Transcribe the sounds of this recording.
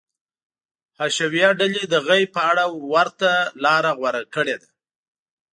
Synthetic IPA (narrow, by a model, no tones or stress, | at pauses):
haʃawjɑɖaled̪əɣajpəaɽawaɾt̪alɑɾaɣwaɾakəɽed̪a